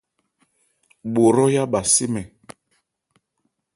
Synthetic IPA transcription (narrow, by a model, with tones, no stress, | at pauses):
ɓo˨ɾɔ˦ja˦ɓa˨si˦mɛ˨